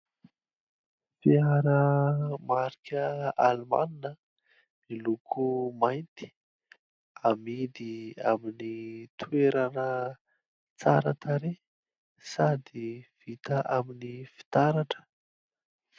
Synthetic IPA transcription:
fiaɾəmaɾikʲəalima̰ninə | nilukʰumajnt̪i̥ | amid̪ia̰minit̪ueɾanə | t͡saɾa̰t̪aɾe | sad̪iv̥it̪əʔaminifi̥t̪aɾaʈ͡ʂə̥

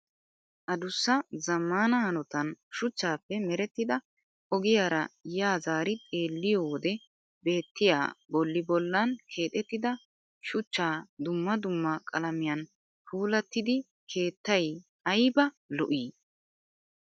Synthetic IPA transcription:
ʔɐd̪ʊsːɐzɐmːaːnɐɐnɔt̪ɐnʃʊt͡ʃːaːpːɛmɛɾɛt̪ːɪd̪ɐ | ʔɔɡɪjaːɾɐ̰jaːzaːɾɪt̪ʼe̞ːlːɪjowɔd̪ɛ | be̞ːt̪ːɪja̰ːbɔlːɪbɔlːɐnkʰe̞ːt̪ʼɛt̪ːɪd̪ɐ | ʃʊt͡ʃːaːd̪ʊmːɐd̪ʊmːɐkʼɐlɐmɪjɐn | fʰuːlɐt̪ːɪd̪ɪ | kʰe̞ːt̪ːɐj | ɐjbɐ | lɔʔiː

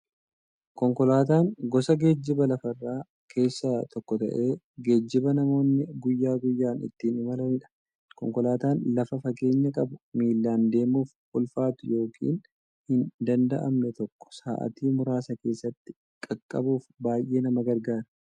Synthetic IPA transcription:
kɔŋkɔlaːt̪aːŋɡɔsɐɡe̞ːd͡ʒːɪbɐlɐfɐrːaː | kʰe̞ːsːɐt̪ʰɔkːɔt̪ɐ̰ʔe̞ː | ɡe̞ːd͡ʒːɪbɐnɐmo̞ːnːɪɡʊjːaːɡʊjːaːnɪ̰t̪ːiːnɪmɐlɐnɪᶑɐ̥ | kɔŋkɔlaːt̪aːnlɐfɐfɐke̞ːɲːɐkʼɐbʊmiːlːaːnd̪e̞ːmuːf | ʔʊlfaːt̪ʊjo̞ːkʰḭːn | hɪnd̪ɐnd̪ɐ̰ʔɐ̰mnɛt̪ɔkːɔ̥saːʔɐ̰t̪iːmʊɾaːsɐke̞ːsːɐt̪ːɪ̥ | kʼɐkʼːɐ̰buːfbaːjʔe̞ːnɐmɐɡɐɾɡaːɾɐ

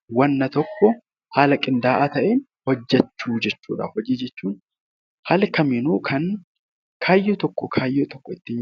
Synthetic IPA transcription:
wɐnːɐt̪ɔkːɔ | haːlɐkʼɪnd̪aːʔat̪ɐʔeːn | hɔd͡ʒːɛt͡ʃːuːd͡ʒɛt͡ʃːuːᶑɐ̰hɔd͡ʒiːd͡ʒɛt͡ʃːuːn | hɐlkɐmɪnuːkʰɐn | kʰaːjːɔt̪ɔkːɔkʰaːjːɔt̪ɔkːɔɪt̪ːɪ

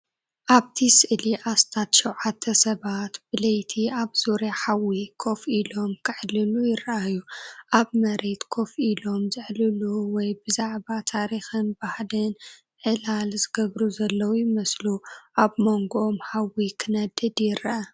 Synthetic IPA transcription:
ʔaβt̪ʰisɨʔliʔast̪ʰat̪ʃɛwʕat̪ʰːɐsɐβat̪b̥ɨlɐjt̪ʰiaβz̥uɾjaħawikʰo̞filo̞mkʰɨʕlːɨlujɪɾɐʔajuʔaβmɐɾe̞t̪kʰofʔilo̞mzɨʕlɨluwɔjbɨzaʕbat̪ʰaɾixɨnbahlɨn | ʕɨlalzɨɡɐβɾuzɐlːɐwjɪmɐsluʔaβmo̞ŋɡoʔːmħawikʰɨnɐd̪ɨd̪jɪɾɐʔɐ

